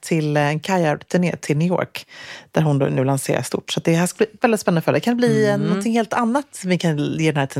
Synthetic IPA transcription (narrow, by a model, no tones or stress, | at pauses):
t̪ʰɪlɛnkʰajaɾt̪ʰʉɳḛːt̪ʰɪlnʏːo̰ːɾkd̪̥æɾɦʊnd̪o̰nʉ̟ːlansḛːɾa̰st̪ʊ̰ʈːsɔt̪̚d̪ɛɦæːʂkadblːvɛld̪ɪt̪spɛnand̪əfœɖd̪ɛkand̪ɛbliːɛnːɔnt̪ʰɪŋheːlt̪anːat̪sɔmvɪkʰanjeːd̪ɛnhæt̪ʰ